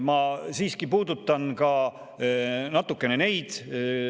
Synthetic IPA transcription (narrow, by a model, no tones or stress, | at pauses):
mɑsiːskipuːd̪ut̪ːˑɑnkɑ | nɑt̪ːˑukːˑe̞ne̞ne̞jd̪̥